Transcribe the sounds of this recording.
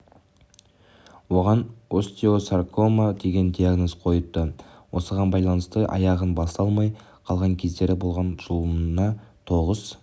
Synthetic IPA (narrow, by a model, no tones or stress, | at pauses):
wo̞ʁɑnost̪iosarkʰo̞mad̪e̞ɡʲe̞nd̪ʲiaɡno̞zqʰo̞jət̪ːəwʔo̞səʁɑnbɑjlˠɑnəst̪əʔɑ̰jɑʁənbɑst̪ɑlˠmɑj | qʰɑlˠʁɑŋkʲʰe̞zd̪e̞ɾɪbolˠʁɑnʒ̥ulˠnɑt̪ʰo̞ʁəz̥